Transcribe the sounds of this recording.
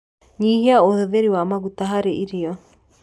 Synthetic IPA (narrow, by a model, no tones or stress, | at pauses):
ɲiːɦiaoðeðeɾiwaːmaɣut̪aɦaɾeʔiɾiɔ